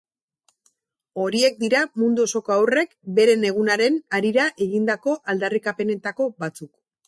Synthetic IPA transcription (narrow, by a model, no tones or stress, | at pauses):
o̞ɾie̞k̚d̪iɾamund̪uoso̞ko̞awre̞kbe̞ɾe̞ne̞ɣ̞unaɾe̞naɾiɾaʔe̞ɣind̪ako̞ʔald̪arikape̞ne̞t̪ako̞bat͡suk